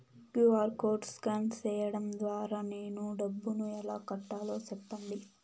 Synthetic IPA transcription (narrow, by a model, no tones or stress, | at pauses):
kjuaːɾkoːɾɖskɐnt͡ʃɛːjɐɽɐmd̪ʋaːɾaːne̞ːnuɖɐbːunuɛlaːkɐʈːaːlo̞ːt͡ʃɛpːɐɳd̪i